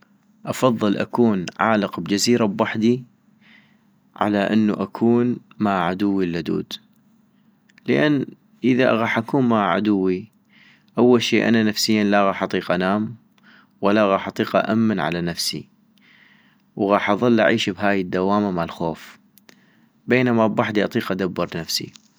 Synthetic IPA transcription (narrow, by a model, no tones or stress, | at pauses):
ʔɑfɑðˤːɨlʔa̰kuːnʕaːləqbd͡ʒaziːɾabwaħd̪i | ʕa̰laʔɪnːuʔakʰuːnmaʕad̪ʊwːilːad̪ṵːd̪ | ləʔanː | ʔəðaɣɑːħʔakuːnmaʕa̰d̪ʊwːi | ʔawːalʃiːʔa̰nanafsɪjːanlaʔɣɑːħʔɑt̪ˤiːqʔanaːm | walːaɣɑːħʔɑt̪ˤiːqʔa̰ʔamːanʕa̰lanafsḭ | wɣɑːħʔɑðˤɨlːʔa̰ʕiːʃbɦaːjəd̪ːawaːmamalxoːf | beːnamabwaħd̪iʔɑ̰t̪ˤiːqʔad̪abːɨɾˤnafsḭ